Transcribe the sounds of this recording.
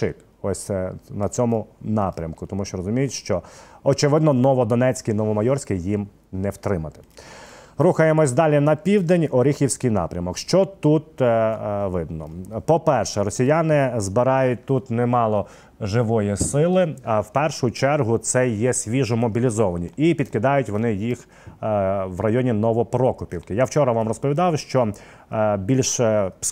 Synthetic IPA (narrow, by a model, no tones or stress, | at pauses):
ʃɪ̰k | ɔsʲnɐt͡sʲɔmʊnɑpɾʲɐmkʊt̪ɔmuʃt͡ʃɔɾɔzʊmʲijɪtʲʃt͡ʃɔɔt͡ʃɪʋɪd̪nɔnɔʋɔd̪ɔnɛt͡sʲkɪnɔʋɔmɐjɔrsʲkɪjim | nɛwt̪ɾɪmɐt̪ɪ̥ | ɾuxɐjemɔsʲd̪ɑlʲinɐpʲiwd̪enʲɔɾʲixʲiwsʲkɪjnɑ̰pɾʲɐmɔkʃt͡ʃɔt̪ut̪ | ʋɪd̪nɔpɔpɛrʃɛɾɔsʲijɑnɪzbɪɾɑjʊt̚ʲt̪ut̪nɛmɑlˠɔ | ʒɪʋɔjisɪlˠɪɑwpɛrʃʊt͡ʃɛrɦʊt̪sɛjɛsʲʋʲiʒʊmɔbʲilʲizɔʋɐnʲiipʲid̪̚kɪd̪ɑjʊtʲʋɔnɪjix | ʋrɐjɔnʲinɔʋɔpɾɔkʊpʲiwkɪjawt͡ʃɔɾɐʋɑmrɔspɔʋʲid̪ɑwʃt͡ʃɔ | bʲilʲʃ